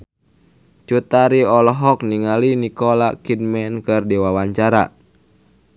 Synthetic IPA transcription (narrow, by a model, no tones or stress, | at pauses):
t͡ʃut̪aɾiɔlɔɦɔk̚niŋalinikɔlakid̚mɛnkɨrdiwawaɲt͡ʃaɾa̰